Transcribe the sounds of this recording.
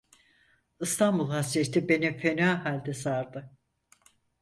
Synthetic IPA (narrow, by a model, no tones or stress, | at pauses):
ɯst̪ʰanbulˠhasiet̪ʰːibe̞nifenaːɦalʲd̪ɛsaɾd̪ɯ